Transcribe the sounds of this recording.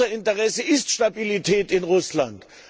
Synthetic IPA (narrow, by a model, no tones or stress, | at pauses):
ɐɪntəʁɛsəɪstʃtabilitʰɛːtɪnʁʊslant